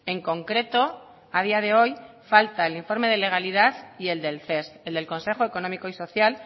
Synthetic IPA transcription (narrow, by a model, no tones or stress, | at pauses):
e̞ŋko̞ŋkɾe̞t̪o̞ | að̞iað̞e̞o̞j | falt̪ae̞liɱfo̞ɾme̞ðe̞le̞ɣ̞aliðaθie̞ld̪e̞lθe̞st̪e̞ld̪e̞lko̞nse̞xo̞e̞ko̞nomiko̞iso̞θjal